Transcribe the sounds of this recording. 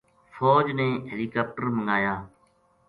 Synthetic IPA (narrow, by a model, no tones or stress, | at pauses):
foːd͡ʒnẽːɦeliːkaːp̚ʈəɾməŋɡaːjaː